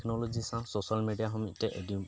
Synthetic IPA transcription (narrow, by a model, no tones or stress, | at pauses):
kʰnɔlɔd͡ʒisãsosalmeɖijaɦɔmitɛʔedi